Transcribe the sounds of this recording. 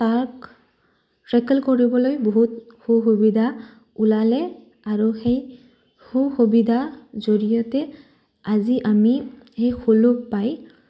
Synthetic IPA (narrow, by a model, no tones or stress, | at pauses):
taɹk | tɹɛkɛlkoɹibɔlojboɦut̚xuxubid̪ʱa | ulalɛ | aɹuxej | huxubid̪ʱazoɹijɔtɛ | aziʔamixejxulukpaj